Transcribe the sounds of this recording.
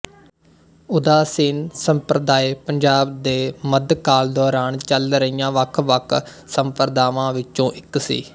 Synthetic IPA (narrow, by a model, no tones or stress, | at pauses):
ʊd̪aːsɪnsəmpɾəd̪aːeːpəɲd͡ʒaːbd̪eːməd̪kaːld̪ɔːɾaːnt͡ʃəlɾəijãːʋəkʰʋəkʰ | səmpəɾəd̪aːʋãːʋɪt͡ʃõːʔɪksḭː